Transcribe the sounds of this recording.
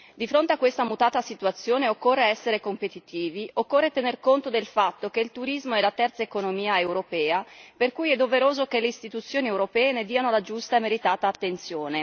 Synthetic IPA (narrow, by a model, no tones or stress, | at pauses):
d̪ifɾont̪eakːwest̪amut̪aːt̪asit̪uat̪sːjoːneokːorːeɛsːeɾekompet̪it̪iːviokːorːet̪enerkont̪od̪elfat̪ːokeilt̪uɾizmoɛlat̪ɛrt̪saekonomiːaewɾopɛːaperkujɛd̪ːoveɾoːzokeleist̪it̪ut̪sːjoːniɛwɾopɛːened̪iːanolad͡ʒust̪aemeɾit̪aːt̪aːt̪ːent̪sjoːne